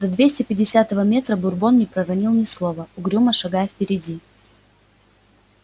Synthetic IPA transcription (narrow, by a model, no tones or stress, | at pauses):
d̪̥ɐd̪vʲesʲtʲɪpʲɪdʲɪsʲat̪əvəmʲe̞t̪ɾəbʊrbo̞nnʲɪpɾəɾɐnʲilˠnʲɪslˠovəʊɡɾʲuməʂɐɡajfpʲɪɾʲɪdʲi